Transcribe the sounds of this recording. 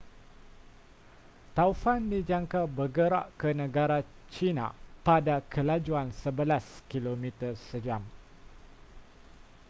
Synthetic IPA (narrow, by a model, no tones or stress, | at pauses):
t̪aufandid͡ʒaŋkabərɡəɾa̰ʔkənə̃ɡaɾa | t͡ʃinã̰padakʰəlad͡ʒuansəbəlaskilomĩt̪ərsəd͡ʒam